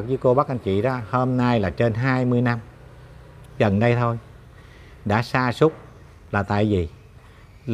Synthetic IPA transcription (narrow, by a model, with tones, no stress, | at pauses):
k̚zɨ˨˦ko˧ɓa˦˥k̚ʔa˧nt͡ɕḭ˧˨ɗɔː˨˦ho˧mna˧jlaː˨˩t͡ɕe˧nɦaː˧jmɨ˧əjna˧m | ɣə˨˩nɗə˧jt̪ʰo˧j | ɗa̰ː˧˥saː˧sʊ˦˥k͡p̚ | laː˨˩t̪a̰ː˧˨jvi˨˩